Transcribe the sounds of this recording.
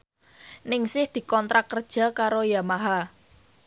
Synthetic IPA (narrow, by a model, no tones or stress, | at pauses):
nɪŋsɪhd̪̥i̤kɔnt̪ɾakərd̥ʒ̥a̤kaɾojamaɦa